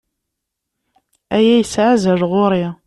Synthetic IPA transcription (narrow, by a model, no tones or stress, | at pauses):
æjæjəsʕazəʒʁʊɾi